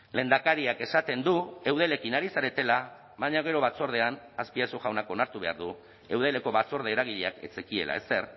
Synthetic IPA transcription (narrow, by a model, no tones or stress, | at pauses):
le̞ːnd̪akaɾiake̞sat̪e̞nd̪ue̞wð̞e̞le̞kinaɾisaɾe̞t̪e̞la | βaɲaɣ̞e̞ɾo̞βat͡so̞ɾð̞e̞an | aspiasoɣawnako̞naɾt̪uβea̰ɾðu | e̞wð̞e̞le̞ko̞βat͡so̞ɾð̞e̞ːɾaɣ̞iʎeake̞̰t͡sekie̞̰lʔa̰e̞se̞ɾ